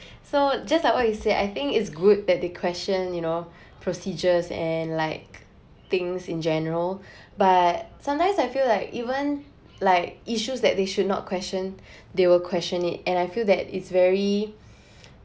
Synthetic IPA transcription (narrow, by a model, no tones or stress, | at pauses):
sod͡ʒaslaɪkwɔt̚juseda̰ɪθɪ̃ŋkɪtsɡud̚d̪ɛt̚d̪ekʰwɛst͡ʃə̃njuno | pʰɹosid͡ʒəsɛ̰̃nlaɪk̚ | t̪ɪ̃ŋsĩnd͡ʒɛnəɹəl | bat̚sãmtãɪ̃msaɪfilaɪkivə̃n | laɪkiʃusdɛt̚d̪eʃudⁿnɔ̰t̚kʰwɛst͡ʃə̃n | d̪ewɪlkʰwɛst͡ʃə̃nit̚ɛ̃najfilˠd̪ɛtɪ̰tsvɛɹi